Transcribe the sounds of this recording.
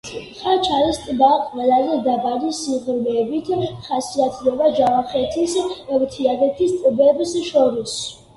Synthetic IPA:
χat͡ʃʰaɾist̪ʼbaqʼvɛlalid̪abalisiʁɾvɛbit̪ʰχasiat̪ʰd̪ɛbad͡ʒavaχɛt̪ʰisɛvt̪ʰiad̪ɛt̪ʰist̪t̪ʼbɛbsʃɔɾis

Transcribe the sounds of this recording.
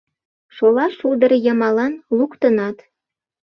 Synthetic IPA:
ʃolɑʃuld̪ə̆ɾjə̆mɑlɑnlukt̪ənɑt̪

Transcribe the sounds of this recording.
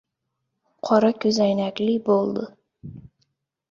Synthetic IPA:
qʰɒɾɑkʲʰɵzæjnækʲlɪbolˠd̪ɪ

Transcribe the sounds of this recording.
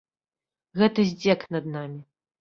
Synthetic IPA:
ɣɛt̪ɐzʲd͡zʲɛknɐd̪̚namʲi

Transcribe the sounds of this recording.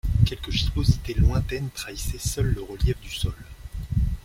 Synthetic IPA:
kʲɛlkəʒispozit̪elwɛ̃t̪ɛnt̪χaisɛsœlːəʁəljɛfd̪ysɔl

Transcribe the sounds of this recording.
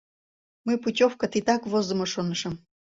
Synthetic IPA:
mɨputʲofkət̪it̪ɑkβozə̆moʃonəʃə̆m

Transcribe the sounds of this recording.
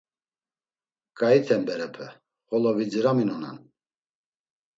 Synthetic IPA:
kʼait̪ʰɛmbɛɾɛpʰɛ | χɔlɔvid͡ziɾaminɔna̰n

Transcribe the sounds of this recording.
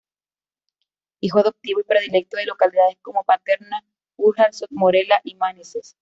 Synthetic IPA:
ixoaðop̚t̪iβoipɾe̞ðile̞k̚t̪oðe̞lo̞kaliðaðesko̞mopat̪e̞ɾna | uɾxalsot̪̚moɾelaʔimanises

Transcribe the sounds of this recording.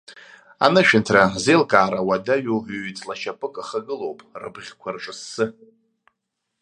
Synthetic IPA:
a̰nɨʃᶣɪntʰrazelkʼaːɾawadaɥovɥt͡sʼlaʃapʼɨkʼaχaɡɨlowpʼrɨ̰bʁʲkʷʰarʐʷʼɨsːɨ

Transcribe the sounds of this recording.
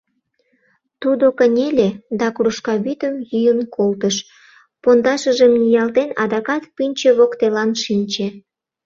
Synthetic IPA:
t̪ud̪okənʲelʲed̪ɑkuɾuʃkɑβyt̪əmjyjənkʰolt̪əʃ | pond̪ɑʃəʒəmnijɑlt̪enɑ̰d̪ɑkɑt̪pynʲt͡ɕeβokt̪elɑnʃinʲt͡ɕe

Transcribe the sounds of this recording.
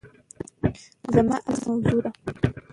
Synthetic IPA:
zamaʔasanzuːɾa

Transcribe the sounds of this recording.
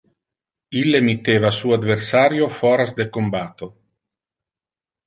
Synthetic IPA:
ilːemit̪ːeːvasuːad̪veɾsaːɾjofɔɾazd̪ekombat̪o

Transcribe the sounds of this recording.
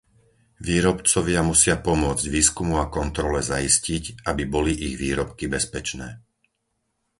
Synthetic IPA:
ʋiːɾɔpt͡sɔʋɪamusɪapɔmʊɔd͡zɟʋiːskumuakɔnt̪ɾɔlɛzaiscicabibɔliʔiɣʋiːɾɔpkibɛspɛt͡ʃnɛː

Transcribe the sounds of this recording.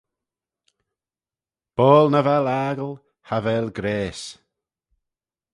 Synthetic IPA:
b̥ɔːlˠnəvɛlaːɡəlˠ | havɛːlɡɾeːs

